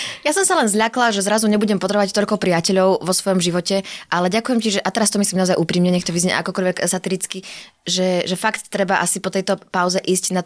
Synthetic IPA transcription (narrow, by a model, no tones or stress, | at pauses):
jasɔmsalɛnzʎaklaʒɛzɾazuɲɛbuɟɛmpɔt̪ɾɛbɔʋact̪ɔʎkɔpɾiacɛʎɔʊʋɔsʋɔjɔmʒiʋɔcɛʔalɛɟakujɛmciʒɛʔat̪ɛɾast̪ɔmisliːmnaɔzajʔuːpɾiːmɲɛɲɛkt̪ɔʋizɲɛ̰ʔakɔkɔʎʋɛksat̪iɾit͡ski | ʒɛʒɛfakt̪ːɾɛbaʔasipɔt̪ɛjt̪ɔpaʊzɛʔiːscna